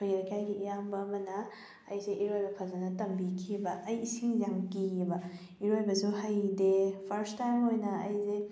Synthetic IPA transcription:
ojɾɐkʰijajɡiijambɐːmɐnɐː | jseʔiɾojbɐpʰɐlzɐnɐtɐmbikʰibɐʔːjisiŋzaŋkibɐ | iɾojbɐsuɦajdepʰɐɾstajmojnɐɐjze

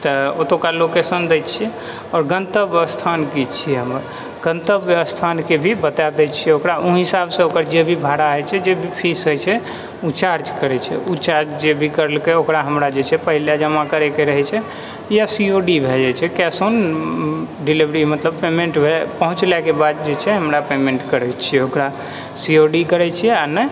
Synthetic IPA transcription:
t̪əot̪okalokesənd̪ɛjt̪t͡ʃʰiɛ | ɔɾɡənt̪əbəst̪ʰankit͡ʃʰiɛɦəməɾ | ɡ̥ə̃nt̪əbjəəst̪ʰankebʱibət̪ad̪ɛt͡ʃʰiɛokɾauɦisabsẽokəɾd͡ʒebʱibʱaɾaɦət͡ʃʰɛd͡ʒebʱipʰisɦəjt͡ʃʰɛ | ut͡ʃaɾd͡ʒkəɾɛt͡ʃʰɛ̰ut͡ʃaɾd͡ʒd͡ʒebʱikəɾəlkeokɾaɦəmɾad͡ʒet͡ʃʰɛpəɦilad͡ʒəmakəɾɛkeɾəɦɛt͡ʃʰɛ | jasioɖibʱed͡ʒat͡ʃʰɛkɛson | ɖilibɾimət̪ləbpemẽɳʈbʱepəɦũt͡ʃlɛkebad̪̚d͡ʒet͡ʃʰɛɦəmɾapemeɳʈkəɾɛt͡ʃʰijɛokɾa | sioɖikəɾɛt͡ʃʰijɛanɛ

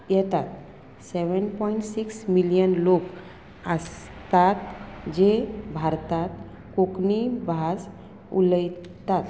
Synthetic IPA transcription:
jɛt̪at̪ | seʋənpɔiɳʈsiksmilijənlok | əs | t̪at̪d͡ʑebʱaɾt̪at̪ | koknibʱas | ṵləj | t̪at̪

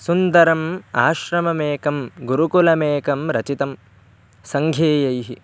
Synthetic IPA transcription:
sund̪ɐɾɐma̰ːʃɾɐmɐmeːkɐmɡuɾukulɐmeːkɐmɾɐt͡ʃit̪ɐm | sɐŋɡʱjeːjɐjɦi

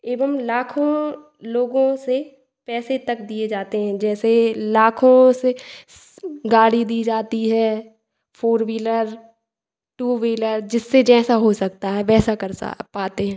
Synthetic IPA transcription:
eːbəmlaːkʰõ | loːɡõse | pɛːset̪ɐk̚d̪ied͡ʒaːt̪eɦɛ̃d͡ʒɛːselaːkʰõse | ɡaːɽid̪iːd͡ʒaːt̪iɦɛː | pʰoːɾʋiːləɾ | ʈuːʋiːləɾd͡ʒɪsːed͡ʒɛːsaɦosɐk̚t̪aɦɛpɛːsakɐɾ̰paːt̪eɦɛ̃ː

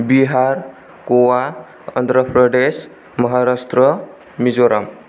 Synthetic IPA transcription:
biɦaɾ | kowa | ʌ̰nd̪ɾəpɾəɖes | mʌɦaɾast̪ɾʌ | mid͡zoɾam

